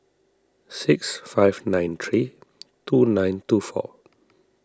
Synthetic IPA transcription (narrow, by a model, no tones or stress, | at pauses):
sɪksfaɪvnãj̃nt̪ʰɹitunãj̃ntufɔ̰